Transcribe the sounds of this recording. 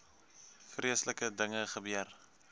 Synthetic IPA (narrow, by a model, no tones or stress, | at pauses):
friəsləkədəŋəχəbyər